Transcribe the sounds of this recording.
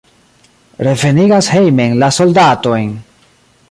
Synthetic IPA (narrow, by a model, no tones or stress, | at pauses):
ɾe̞ve̞niɡashe̞jme̞nlaso̞ldato̞jn